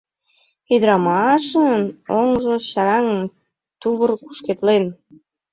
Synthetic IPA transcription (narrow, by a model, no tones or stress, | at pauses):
id̪ɾɑmɑʃənoŋʒoɕɑɾɑŋəm | t̪uβərku̥ʃket̪len